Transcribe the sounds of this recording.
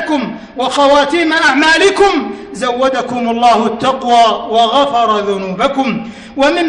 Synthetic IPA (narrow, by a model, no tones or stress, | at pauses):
kʊm | wɑxɑwaːt̪iːmaʔaʕmaːlɪkʊmzawːad̪akʊmalˤːɑːhʊt̪ːaqwaːwɑɣafɑɾˤɑðʊnuːbakʊm | wamɪm